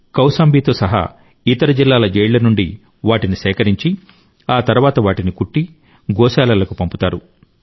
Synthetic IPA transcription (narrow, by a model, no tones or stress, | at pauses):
kɐwsaːmbʱiːt̪o̞ːsɐɦa̰ː | it̪ɐɾɐd͡ʒilːaːlɐd͡ʒɛːjlɐnuɳɖi | ʋaːʈinisɛːkɐɾiɲt͡ʃi | aːt̪ɐɾuʋaːt̪ɐʋaːʈinikuʈːi | ɡɔːsaːlɐlɐkupɐmput̪aːɾu